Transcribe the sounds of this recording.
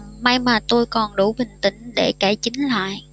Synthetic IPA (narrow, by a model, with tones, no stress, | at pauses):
ma˧jmaː˨˩t̪o˧jkɔ˨˩nɗu˧˩ɓï˨˩ŋ̟t̪ï˧˦ŋ̟ɗe˧˩ke˧˩t͡ɕï˨˦ŋ̟la̰ː˧˨j